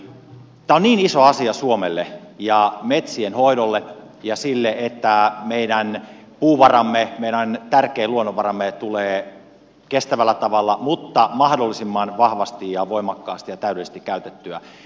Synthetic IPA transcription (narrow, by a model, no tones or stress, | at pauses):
t̪æːonniːnisoɑsiɑsuomelːejɑmet̪sienhoidolːe | jɑsilːeet̪ːæmeiɾæn | puːʋɑrɑmːemeiɾænt̪ærkeːluonːoʋɑrɑmːet̪uleː | kest̪æʋælːæt̪ɑʋɑlːɑmut̪ːɑmɑhdolːisimːɑnʋɑhʋɑst̪ijjɑʋoimɑkːɑːst̪ijɑt̪æyɾelːˑise̥st̪ikːæyt̪et̪ːyæ